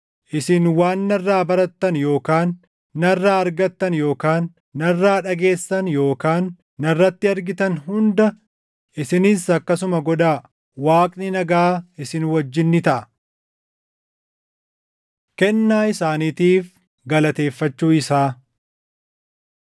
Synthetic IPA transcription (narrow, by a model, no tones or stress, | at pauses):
ʔɪsɪnwaːnːɐrːaːbɐɾɐt̪ːɐnjo̞ːkaːnː | ɐrːaːɐɾɡɐt̪ːɐnjo̞ːkaːnː | ɐrːaːᶑɐɡe̞ːsːɐnjo̞ːkaːnː | ɐrːɐt̪ːɪɐɾɡɪt̪ɐnɦʊnd̪ɐ | ʔɪsɪniːsɐkːɐsʊmɐɡɔd̪aː | waːkʼnɪnɐɡaːɪsɪnwɐd͡ʒːɪnːɪt̪ɐʔɐ̥ | kɛnːaːɪsaːniːt̪iːf | ɡɐlɐt̪e̞ːfːɐt͡ʃːuːɪsaː